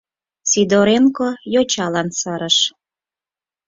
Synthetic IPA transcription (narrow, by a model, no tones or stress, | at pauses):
sid̪oɾenkojot͡ɕɑlɑnsɤɾəʃ